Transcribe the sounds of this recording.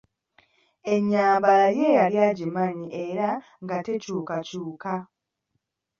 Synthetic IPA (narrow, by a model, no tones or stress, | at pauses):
e̞ɲːaːmbalaɾje̞ːjaljaːɟimaɲiʔe̞ɾa | ŋɡate̞cuːkacuːka